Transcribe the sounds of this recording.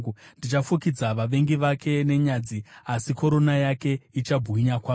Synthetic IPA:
ndit͡ʃafukid͡zaʋaʋe̞ŋɡiʋakʰe̞ne̞ɲad͡ziasiko̞ɾo̞najake̞it͡ʃabʱuiɲakwaː

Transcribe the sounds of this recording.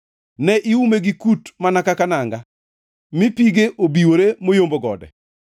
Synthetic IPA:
nɛʔiumeɡikutmanakakanaŋɡa | mɪpiɡeʔobiwoɾemojomboɡɔ̰dɛ̰

